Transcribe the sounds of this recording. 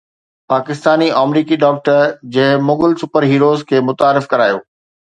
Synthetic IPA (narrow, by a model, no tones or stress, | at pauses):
paːkɪst̪aːniʔaːmɾiːkiɖɔːk̚ʈəɾd͡ʑɐ̃ɦɪ̃moːɡəlsupəɾɦiːɾoːzkʰeːmʊt̪aːɾɪfkɐɾaːjoː